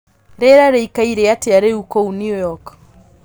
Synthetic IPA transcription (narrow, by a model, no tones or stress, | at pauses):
ɾeɾaɾeikaiɾeateaɾeukounjujɔk